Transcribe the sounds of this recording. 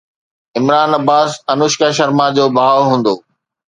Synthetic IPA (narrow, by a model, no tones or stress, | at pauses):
ɪmɾaːnɐbaːsɐnʊʃkaʃ̬əɾmãd͡ʑoːbʱaːʋɦũːn̆d̪oː